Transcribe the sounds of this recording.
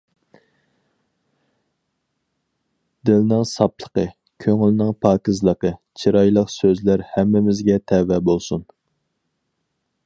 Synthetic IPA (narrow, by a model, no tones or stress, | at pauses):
d̪ɪlnɪŋsɑplˠə̥qə | kʲʰøŋylɪnɪŋpʰɑːkizlˠəqət͡ʃʰiɾɑjlˠəqsøzlæɾhɛmːɪmɪzɡʲɛt̪ʰɛwɛbolˠsun